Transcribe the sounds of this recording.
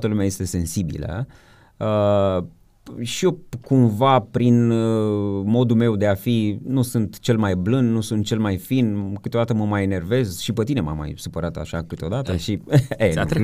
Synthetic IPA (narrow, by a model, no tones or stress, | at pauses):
t̪əlumeaje̞st̪e̞se̞nsibḭlə̰ | ə | ʃiokumvapɾin | mo̞d̪ume̞wd̪e̞afinusɨnt̪t͡ʃe̞lmajblɨnd̪nusunt̪̚t͡ʃe̞lmajfinkɨt̪eod̪at̪əməmajene̞rve̞zʃipət̪inema̰mːa̰jsupəɾat̪a̰ʃakɨt̪eo̞d̪at̪əʃie